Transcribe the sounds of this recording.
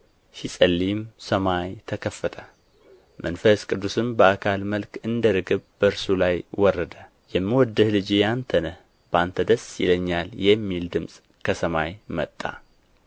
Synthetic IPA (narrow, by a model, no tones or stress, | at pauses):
ʃisʼəlːimsəmajt̪ʰəkʰəfːət̪ʰə | mʔənfəskʼɨd̪ːusɨmbəakʰalməlkɨnd̪əɾɨɡɨβbəɨɾsulajwɔrːəd̪ə | jɛmːiwɔd̪ːɨhlɨd͡ʒijant̪ʰənəh | b̥ant̪ʰəd̪əsjḭləɲːaljɛmːild̪ɨmsʼ | kʰəsəmajmə̰t̪ʼːa̰